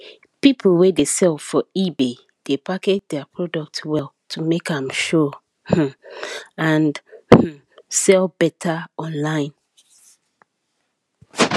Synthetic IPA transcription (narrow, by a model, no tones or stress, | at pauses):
pipʰl̩wedesɛlˠfɔibe | d̥epʰaket̚dɛapʰɹɔdɔk̚twɛltʰumekãmʃɔ | h̩ | ãn̩ | sɛlbɛtʰaɔ̃nlãɪ̃n